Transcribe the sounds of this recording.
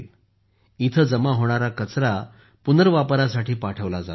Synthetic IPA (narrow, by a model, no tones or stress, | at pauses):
l | it̪ʰəd͡zəmaɦoɽ̃aɾakət͡sɾa | punəɾʋapɾasaʈʰiːpaʈʰəʋlad͡za